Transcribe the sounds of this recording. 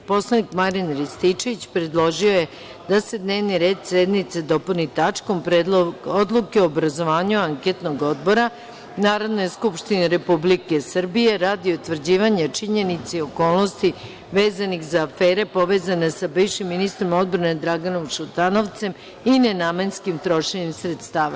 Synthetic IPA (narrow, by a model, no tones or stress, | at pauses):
po̞slˠanikmaɾinɾist̪it͡ʃeʋit͡ɕpɾed̪lˠo̞ʒio̞je | d̪ase̞d̪neːʋniɾeːd̪sed̪nit̪sed̪o̞ponit̪at͡ʂko̞mpɾod̪lˠukeoːbɾazo̞ʋaːɲuaŋket̪no̞ɡo̞d̪bo̞ɾa | naːɾod̪nojeskupʃt̪ineɾe̞publike̞sr̩bije̞ɾaːd̪iot̪ʋr̩d͡ʑiːʋaɲat͡ʂiɲe̞nit̪seo̞koːlˠno̞st̪i | ʋeːzanixzaːfeːɾe̞po̞ʋeːzane̞sabiʋʃimːinist̪ɾomo̞d̪̚bɾane̞d̪ɾaɡano̞mʃut̪ano̞ʋt̪se̞m | inenamanskimt̪ɾo̞ʃeɲimsɾet̪st̪aːʋa